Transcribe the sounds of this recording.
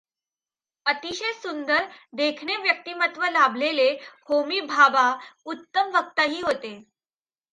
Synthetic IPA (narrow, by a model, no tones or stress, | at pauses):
ət̪iɕesund̪əɾd̪ekʰɳeʋjək̚t̪iːmət̪ʋəlabʱlelehomiːbʱabaut̪ːəmʋəkt̪aɦiːɦot̪e